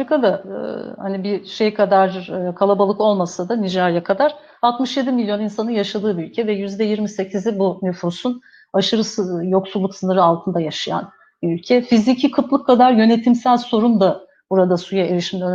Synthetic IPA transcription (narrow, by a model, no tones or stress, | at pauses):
aɾikʰad̪ahanibiʃe̞jkʰad̪aɾɯːkʰalˠabalˠɯko̞lˠmasad̪anid͡ʒaɾjakʰad̪aɾ̥ | alˠt̪mɯʃjed̪imilʲjo̞ninsanɯnjaʃad̪ɯːbiylʲcʰɛvɛjyzd̪ɛjiɾmise̞cʰizibunyfusun | aʃɯɾɯsjo̞ksulˠːuksɯnɯɾɯalˠt̪ʰɯnd̪ajaʃaja̰n | biylʲcʰɛfizicʰikʰɯt̪lˠɯkʰːad̪aɾjø̞ne̞t̪ʰimsælʲso̞ɾund̪a | buɾad̪asujaeɾiʃimlø